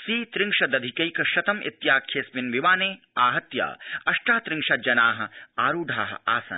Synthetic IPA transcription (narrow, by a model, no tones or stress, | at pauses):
siːt̪ɾɪ̃ŋʃɐd̪ɐd̪ʱikɐjkɐʃɐt̪ɐmʔḭt̪jaːkʰːeːsminʋiʋaːneː | aːɦɐt̪ja̰ːɐʃʈaːt̪ɾɪŋʃɐd͡ʒɐnaːɦɐ̆aːɾuːɖʱaːɦɐ̰̆aːsɐ̰n